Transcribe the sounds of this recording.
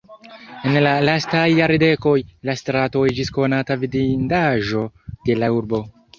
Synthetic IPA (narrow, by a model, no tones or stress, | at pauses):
e̞nlalastajːaɾide̞ko̞jlastɾato̞ed͡ʒisko̞natavidindaʒo̞de̞lauɾbo̞